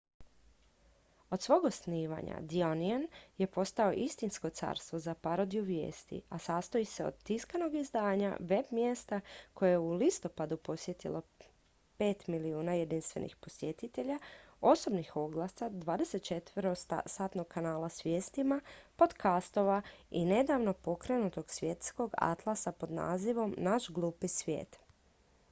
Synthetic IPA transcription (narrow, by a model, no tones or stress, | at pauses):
o̞d̪sʋo̞ɡosniːʋa̰ɲa̰d̪ionianje̞po̞st̪ao̞ʔist̪insko̞t̪sa̰ːɾst̪ʋo̞zapaɾo̞d̪ijuʋjḛːst̪ḭasaːst̪ojise̞o̰d̪̚t̪iskano̞ɡizd̪aːɲa̰ʋe̞bmje̞st̪ako̞jejulist̪o̞pad̪upo̞sje̞t̪ḭlo̞ | pe̞ːt̪miliuːnajed̪inst̪ʋe̞̰nʔḭxpo̞sjet̪it̪e̞ʎao̞so̞bnixo̞ɡlˠasad̪ʋaːd̪e̞set̪̚t͡ʃe̞t̪ʋəɾosaːt̪no̞ɡ̚kʰːanaːlasʋje̞ːst̪imapo̞d̪kast̪o̞ʋaḭne̞d̪aʋno̞po̞kɾe̞nut̪o̞ɡsʋʲje̞t̪sko̞ɡa̰t̪lˠasapo̞d̪na̰ːziʋo̞mnaʃɡlˠuːpisʋjḛːt̪